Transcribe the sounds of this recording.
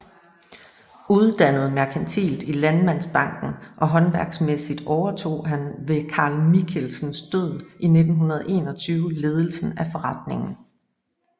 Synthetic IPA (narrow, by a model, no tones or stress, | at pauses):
uð̞ˠd̥ænəð̞̩ˠmæɐkʰænt͡sʰḭːld̥ilænmæn̰sb̥ɑ̈ŋ̰ɡ̥n̩ʔɒ̽ɦɒ̽nʋæɐɡ̥smesid̥ɒʊɐt͡sʰo̝̰ːɦænʋe̝kʰɑ̈ːlmikʰelsn̩sd̥øð̰ˠʔine̝d̥n̩ɦunɐð̞̩ˠʔe̝̰ːnɒ̽t͡sʰyːʊle̝ːð̞ˠəl̩sn̩æfɒ̽ʁɑ̈d̥ne̝ŋn̩